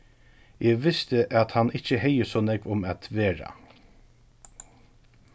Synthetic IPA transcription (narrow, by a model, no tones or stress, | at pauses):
jʔeːʋɪst̪əʔɑt̪hɑnɪçəheɪəsoːnɛɡʋʊmɑt̪ʰʋeːɹɑ̰